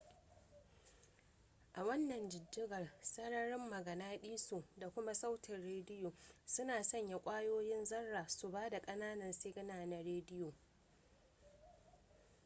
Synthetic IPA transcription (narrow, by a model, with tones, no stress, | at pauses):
ʔa˨wɐ˦nːɐ˨nd͡ʒɪ˨dːɪ˦ɡɐ˨rsɐ˦ɽɐ˦ɽɪ˦mːɐ˨ɡɐ˨naː˦ɗiː˦su˨da˨kʷʊ˦ma˦sa˦wtʰɪ˨rɽeː˦dɪ˦joː˨sʊ˦naː˨sɐ˦ɲja˨kʷʼaː˦joː˦jɪ˦nzɐ˦rːaː˨su˨baː˦da˨kʼɐ˦naː˦nɐ˨nse˦ɡɐ˦naː˨na˨ɾeː˦dɪ˦joː˨